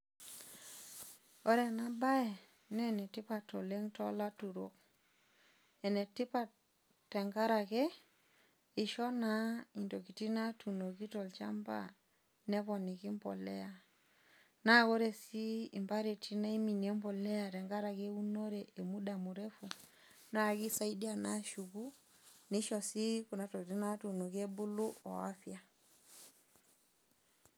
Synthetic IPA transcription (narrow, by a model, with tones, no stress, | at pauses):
o˦ɾe˨na˦ba˦ɛ˨ | nɛ˦nɛ˨ti˦pa˨to˨le˦ŋtɔ˦la˦tu˨ɾo̰˦k̚ | ɛ˨nɛ˨ti˦pa˨ | tɛ˨ŋɡa˦ɾa˨ke˦ | i˨ʃɔ˦na˨˦i˨ndo˨ki˨ti˦na˦tu˨no˨ki˦tɔ˨lt͡ʃa̰˦mba̰˨ | nɛ˦pɔ˨ni˨ki˦mbɔ̰˨lɛ˦ja˨ | na˦ɣo˦ɾɛ˨siː˦˨mba˦ɾe˨tʰi˦na˦i˦mi˨ni˨ɛ˦mbɔ˨lɛ˦a˨ɾɛ˨ŋɡa˦ɾa˨ɣe˦u˦no˦ɾɛʔe˨mu˦da˨mu˨ɾɛ˦fu˨ | na˦˨ɣi˦sa˦i˦di˦a˦na˦ʃu˨ɣu˦ | ni˦ʃɔ˨si˦ku˨na˨tɔ˨ki˨ti˦na˦tu˨no˨ɣɛ˦bu˦lu˦ɔ̰˨a˦fja˨